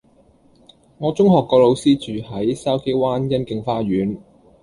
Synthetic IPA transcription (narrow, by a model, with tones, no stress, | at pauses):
ŋɔː˨˧t͡sʊ˥ŋɦɔː˨kːɔː˧lo˨˧wsiː˥t͡ʃyː˨hɐ˨˥jsɐ˥wke˥jwaː˥njɐ˥nkɪ˧ŋfaː˥ɥyː˨˥n